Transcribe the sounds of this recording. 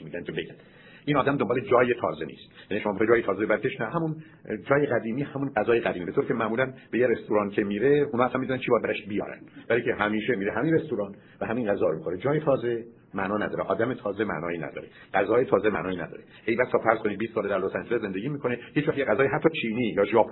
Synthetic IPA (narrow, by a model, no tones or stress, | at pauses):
mid̪ænk̪ʰebeɡænd̪ | ʔiːnɒːd̪æmd̪ombːled͡ʒɒːjet̪ʰɒ̰ːze̞nḭːst̪jæniʃomɒːmixet̪d͡ʒɒːjet̪ʰɒːzeeæɾk̪ʰeʃnæɦæmun | d͡ʒɒːjeɣæd̪iːmiːhæmunɢæzɒːjeʁæd̪imiːbet̪ʰoɾicʰemæʔmuːlænbe̞jeɾest̪oɾɑːncʰemiːɾe̞unɒːslænmid̪unænt͡ʃʰibɒjæd̪̚bæɾæʃbijɒ̰ːɾæ̰nvæliːcʰeɦæmiːʃe̞miːɾeɦæminɾest̪oɾɒːn | væhæminɢæzɒːɾomiːkxoned͡ʒɒːjet̪ʰɒːze̞ | mæʔnɒːnæd̪ɒːɾeʔɒːd̪æmet̪ʰɒːzemæ̰ʔnɒːjiːnæ̰d̪ɒ̰ːɾe | ɡ̥æzɒːjet̪ʰɒːze̞mæ̰ʔnɒːjiːnæ̰d̪ɒ̰ːɾeʔejbæst̪ʰɒːfæɾz̥kʰo̞nid̪̚bist̪sɒːled̪æɾlosænd͡ʒelesze̞nd̪eɟiːmiːkʰo̞nehiːt͡ʃvæχjeɣæzɒːjeɦæt̪ʰːɒːt͡ʃʰiːniːjɒːʒɒːpʰ